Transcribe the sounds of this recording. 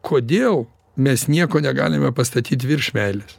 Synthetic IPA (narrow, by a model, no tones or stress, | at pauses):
kʰoːd̪ʲeːlˠ | mʲɛsnʲiɛkoːnʲɛɡɑ̰ːlʲɪmʲɛpɐst̪ɐt̪ʲiːt̪ʋʲɪɾʃʲmʲæːlʲɪs